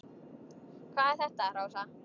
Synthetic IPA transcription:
kʰvaːðɛɾ̥θɛht̪aɾaːwsa

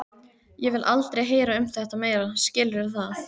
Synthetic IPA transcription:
jɛvɪðlʔalt̪ɾejɦeːjɾaʏmθɛht̪ameːjɾascɪlvɪɾ̥θaθ

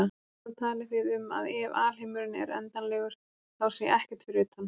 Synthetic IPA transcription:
a | t̪ʰaːlɪθiðʏma̰ðɛvaːl̥ɪːmʏɾɪnɛ̰ɾɛ̰nt̪anlɛːɣʏɾ̥ | θawsɛʔɛhcɛ̥ɾt̪fɪɾʏt̪han

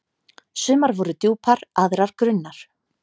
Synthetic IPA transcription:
sʏːmaɾvɔɾʏt̪juːpʰaɾaðɾaɾ̥kɾʏnːaɾ̥

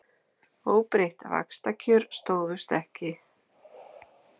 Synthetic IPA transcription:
oːwpɾejht̪a̰va̰kst̪acʰʏɾst̪oːwvʏst̪ɛhcɪ

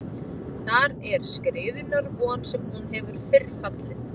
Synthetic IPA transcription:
θaɾɛɾ̥skɾɪːðʏlaɾvɔːnsɛmhunɦɛvʏɾ̥fɪrfat̪lɪθ

